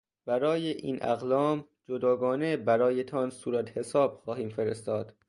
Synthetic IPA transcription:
b̥æɾɒːjeʔḭːnʔæ̰ɣlɒːm | d͡ʒod̪ɒːɡɒːne̞bæɾɒːjet̪ʰɒnsuːɾæt̪he̞sɒːb̥xɒːhiːmfeɾest̪ɒːd̪̥

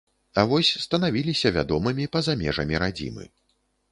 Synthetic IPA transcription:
avɔsʲst̪ɐnavʲilʲisʲɐvʲa̰d̪ɔmɨmʲipɐzamʲɛʐɐmʲiɾad͡zʲḭmɨ̰

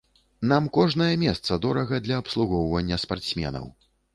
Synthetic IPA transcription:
namkɔʐnɐjɐmʲɛst̪sɐd̪ɔɾɐɣɐd̪lʲɐːpslˠuɣɔwvɐnʲːɐspart̪sʲmʲɛ̰nɐ̰w

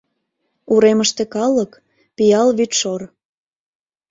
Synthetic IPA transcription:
uɾeməʃt̪ekɑlək | pijɑlβyt̪ʃor

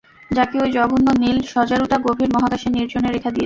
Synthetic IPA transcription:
d͡ʑakeojd͡ʑɔɡunːonilʃɔd͡ʑaɾuʈaɡobʱeɾmɔɦaɡaʃeniɾd͡ʑoneɾekʰad̪ie

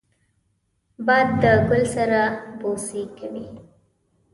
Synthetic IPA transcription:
bɑjd̪ːəɡʊlsaɾabosikawi

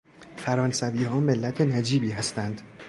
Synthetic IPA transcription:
fæɾɒːnsæviːɦɒːme̞lːæt̪ʰe̞næd͡ʒiːbiːɦæst̪ænd̪̥

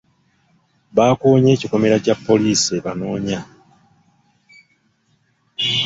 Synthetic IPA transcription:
βaːkoːɲe̞ːciko̞me̞ɾacapːo̞liːsieβano̞ːɲa

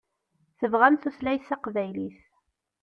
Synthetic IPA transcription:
θəvʁænθuθlæjθɑqvæjliθ

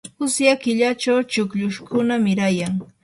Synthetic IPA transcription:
ʊsjakɪʎat͡ʃawt͡ʃʊkʎʊʃkʊnamɪɾajaŋ

